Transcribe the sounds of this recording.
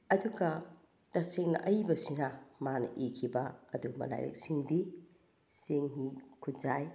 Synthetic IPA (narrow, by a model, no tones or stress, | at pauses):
ɐduɡɐ | tɐseŋnɐ̰ʔɐjbɐsinɐmanɐ̰ʔikʰibɐɐdumɐ̰la̰jɾḛk̚siŋdi | seŋɦikʰutzaj